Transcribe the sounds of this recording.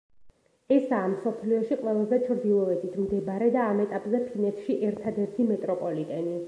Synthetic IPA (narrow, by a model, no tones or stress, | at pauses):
ɛsaːmsɔpʰliɔʃiqʼwɛlˠazɛt͡ʃʰɾd̪ilˠɔɛt̪ʰit̪ʰmd̪ɛbɾɛd̪aːmɛt̪ʼapʼzɛpʰinɛt̪ʰʃiʔɛɾt̪ʰad̪ɛɾt̪ʰimɛt̪ʼɾɔpʼɔlit̪ʼɛni